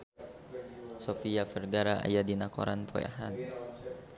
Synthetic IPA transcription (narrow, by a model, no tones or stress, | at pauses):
sofiafərɡaɾaa̰jadinako̰ɾanpo̰ja̰ɦa̰n